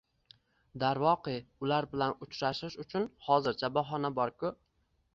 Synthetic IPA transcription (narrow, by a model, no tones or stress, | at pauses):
d̪aɾvɒqɨʊlaɾbɪlanʊt͡ʃʰɾaʃɪʃʊt͡ʃʰʊnhɒzɪɾt͡ʃʰabɒɦɒnabɒɾkʰʊ